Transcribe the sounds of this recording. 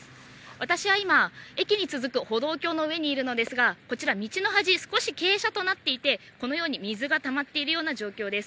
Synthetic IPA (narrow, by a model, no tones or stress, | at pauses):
βat̪aɕiβaimae̞kʲiɲ̟it͡sɨzɨkɯ̟ho̞d̪o̞ːkʲo̞ːno̞ɯ̟e̞ɲ̟iːɾɯ̟no̞d̪e̞sɨɡako̞t͡ɕiɾamʲit͡ɕino̞ɦaʑisɨ̥ko̞ɕike̞ːɕat̪o̞nat̪ːe̞it̪e̞ko̞no̞jo̞ːɲ̟imʲizɨɡat̪amat̪ːe̞iɾɯ̟jo̞ːnaʑo̞ːkʲo̞ːd̪e̞sɨ̥